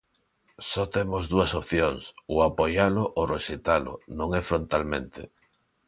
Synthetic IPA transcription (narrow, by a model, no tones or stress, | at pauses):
sɔt̪emozðuɐsopθjoŋsʊapojalʊʔoreʃet̪alʊ̰nõŋɛfɾont̪almḛ̃nt̪ɪ̰